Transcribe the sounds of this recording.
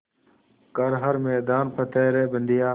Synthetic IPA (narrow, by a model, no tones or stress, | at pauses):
kəɾɦəɾmeːd̪aːnpʰət̪eːɾeːbənd̪ijaː